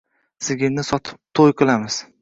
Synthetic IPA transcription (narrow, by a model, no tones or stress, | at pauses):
sɪɡʲɪlnɪsɒt̪ʰɪ̥p̚t̪ʰojqʰɨlˠamɪz̥